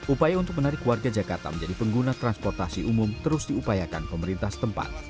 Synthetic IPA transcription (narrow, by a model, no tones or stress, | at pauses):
ʔupajaunt̪ʊk̚mənaɾɪkːwarɡad͡ʒakart̪a̰mənɲd͡ʒadipəŋɡunat̪ɾanspɔrt̪asiʔumʊmt̪əɾʊsdiupajakanpəməɾint̪ahsə̥t̪əmpa̰t̪